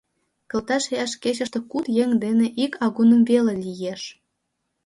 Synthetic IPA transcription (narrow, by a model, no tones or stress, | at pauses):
kə̆lt̪ɑʃejɑʃket͡ɕə̆ʃt̪ĕkut̪jeŋd̪eneʔikɑɣunə̆mvelelijeʃ